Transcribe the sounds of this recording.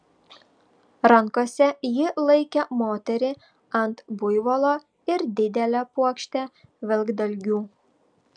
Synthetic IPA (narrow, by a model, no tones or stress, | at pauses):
ɾɐŋkosʲɛjɪlˠɐɪkʲɛmoːt̪ʲɛɾʲɪ | ɐnt̪bʊjʋolˠoː | ɪɾd̪ʲɪd̪ʲɛlʲɛpuɔkʃʲt̪ʲɛʋʲɛlʲˠɡd̪ɐlʲɡʲuː